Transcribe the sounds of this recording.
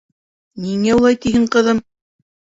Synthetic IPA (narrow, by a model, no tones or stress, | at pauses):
niŋæulˠɑjt̪iɦɘɴqɤ̆ðɤm